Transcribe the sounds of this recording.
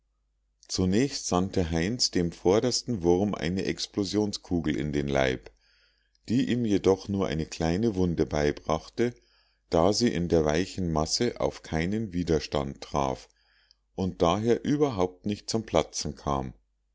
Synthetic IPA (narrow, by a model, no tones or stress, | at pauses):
t͡sunɛːçstz̥antəɦaɪnsd̥eːmfɔɐɾɐstn̩vʊʁmʔa̰ɪnəʔɛksplozjoːnskʰuːɡl̩ʔɪ̰ndeːnla̰ɪp | d̥iːʔiːmjedɔχnuːɐʔa̰ɪnəkʰl̥aɪnəvʊndəbaɪbʁaχtə | d̥aːziːʔɪndeːɐvaɪçn̩masəʔa̰ʊfkʰaɪnənviːdɐʃta̰ntʁ̥a̰ːf | ʔʊnt̚d̥aːɦeːɐʔyːbɐɦaʊp̚tnɪçt̚t͡sʊmpʰl̥at͡sn̩kʰa̰ːm